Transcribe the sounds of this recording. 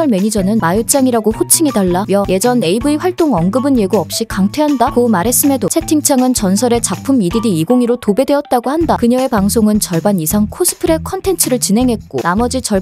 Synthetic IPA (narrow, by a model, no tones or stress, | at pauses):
aɭme̞ɲid͡ʑʌnɯnmajut͡ɕ͈aŋiɾaɡoɸot͡ɕʰiŋedaɭːamjʌje̞d͡ʑʌne̞ibɯiɸwaɭt͈oŋʌnɡɯbɯnje̞ɡuʌp̚ɕ͈ikaŋtʰweɦandakomaɾɦe̞s͈ɯme̞dosʰe̞tʰiŋt͡ɕʰaŋɯnt͡ɕʌnsʰʌɾe̞t͡ɕapʰɯmididiiɡoŋiɾotobe̞dwe̞ʌt̚t͈aɡohandakɯɲʌe̞paŋsʰoŋɯnt͡ɕʌɭbanisʰaŋkʰos͈ʰɯ̥pʰɯɾe̞kʰʌntʰe̞nt͡ɕʰɯɾɯɭt͡ɕinɦe̞ŋɦe̞t̚k͈onamʌd͡ʑit͡ɕʌɭ